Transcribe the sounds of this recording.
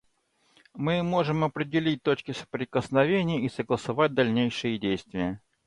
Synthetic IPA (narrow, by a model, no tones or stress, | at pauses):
mɨmo̞ʐɨmɐpɾʲɪdʲɪlʲit̚ʲt̪o̞t͡ɕkʲɪsə̥pɾʲɪkəsnɐvʲenʲɪjəisəɡlˠəsɐvat̚ʲd̪ɐlʲnʲejʂɨjədʲejst̪vʲɪjə